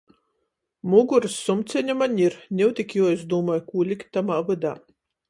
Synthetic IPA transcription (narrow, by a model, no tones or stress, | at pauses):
muɡuɾɨsːumt̪sʲɛɲʲamanʲiɾnʲɛwt̪ʲikʲjuːizd̪uːmɔːjkuːlʲikt̪̚ʲːamaːvɨd̪a̰ː